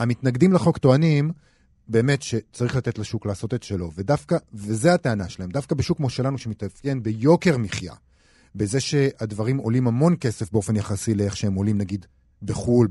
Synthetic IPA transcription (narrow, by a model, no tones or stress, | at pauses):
hamit̪naɡdimleχo̞kto̞anim | be̞ːme̞tʃe̞t͡saʁiχlat̪e̞tlaʃuklaːso̞t̪e̞tʃe̞lo̞ve̞dafkavezeateanaʃelae̞md̪afkabeʃukːmoʃelanuʃemit̪at͡sje̞nbe̞jo̞ke̞ʁmiχja̰ | beze̞ʃe̞advaʁimo̞limhamo̞nke̞se̞fbeo̞fe̞njaχasileeχʃeemo̞limnaɡid̪ | beχul